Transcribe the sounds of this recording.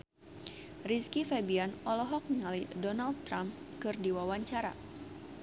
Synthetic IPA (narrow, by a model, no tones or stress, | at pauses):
riskifɛbianɔlɔɦɔk̚nəŋalidɔnald̪̚t̪ːɾamkɨrdiwawaɲt͡ʃaɾa̰